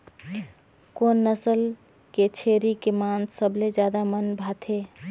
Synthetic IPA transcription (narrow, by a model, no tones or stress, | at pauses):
konːəsəl | ket͡ʃʰeɾikemant̪ʰsəbled͡ʒjad̪amənbʱat̪ʰe